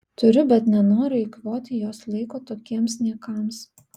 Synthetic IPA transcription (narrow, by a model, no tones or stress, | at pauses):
t̪ʊɾʲʊbʲɛt̪nʲɛnoːɾʲʊɪkʋoːt̪ʲɪjoːslˠɐɪkoːt̪oːkʲiɛmsʲnʲiɛkɑms